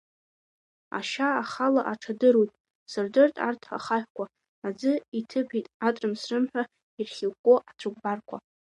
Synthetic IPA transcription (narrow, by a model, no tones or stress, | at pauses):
a̰ʃaːχalaʔaʈ͡ʂʰadɨɾujtʼ | sɨrdɨrtʼa̰rtʰχa̰χaħʲʷᶣkʷʰaː | d͡zɨitʰɨpitʼatʼɨmsrɨmħʷᶣa | irχʲɪlkʷʼoʔat͡sʷʰɨɡ̚ʷʼbarkʷʰa